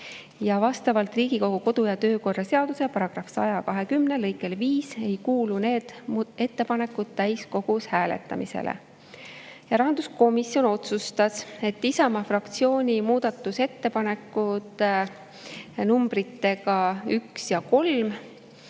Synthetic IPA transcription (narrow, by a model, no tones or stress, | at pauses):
jɑvɑst̪ɑvɑlt̪riːɡ̥iko̞ɡ̥uko̞d̪̥ujɑt̪ø̞ːko̞rːɑse̞ɑd̪usepɑɾɑɡ̥rɑfsɑjɑkɑɦe̞kymne̞lɤjkːˑe̞lviːse̞jkuːlune̞ːd̪̥e̞t̪ːe̞pɑne̞kːˑud̪̥̚t̪æjsko̞ɡ̥ushæːle̞̰t̪ːˑɑ̰misḛlʔḛ | jɑɾɑɦɑnd̪usko̞misjo̞no̞t̪sust̪ɑse̞t̪ːisɑmɑfrɑkt̪sio̞ːnʲimuːd̪̥ɑt̪ˑːuse̞t̪ːe̞pɑne̞kːˑut̪ | numb̥ɾit̪ːe̞ɡɑyksjɑko̞lm